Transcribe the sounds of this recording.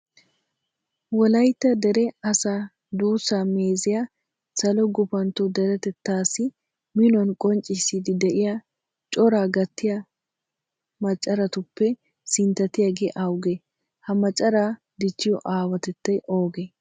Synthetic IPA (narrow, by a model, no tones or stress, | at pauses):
wɔlɐjt̪ːɐd̪ɛɾɛɐsaː | d̪uːsaːmeːzɪja | sɐlɔɡʊpɐnt̪ɔd̪ɛɾɛt̪ɛt̪ːaːsɪ | mɪnɔnkʼɔnt͡ʃʼɪsid̪ɪd̪ɛʔɪja | t͡ʃʼɔɾaːɡɐt̪ːɪjɐ | mɐt͡ʃʼːɐɾɐt̪ʊpːɛ | sɪnt̪ːɐt̪ɪjaɡeːʔɐwʊɡe | hɐmɐt͡ʃʼːɐɾaː | d̪ɪt͡ʃːɪjɔʔaːwɐt̪ɛt̪ːɐjʔo̞ːɡe